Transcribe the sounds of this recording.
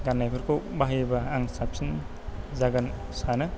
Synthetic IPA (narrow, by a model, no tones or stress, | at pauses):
ɡanːajbʰɯɾkʰobaɦijbaːŋsap̚sin | zaɡan | sanɯ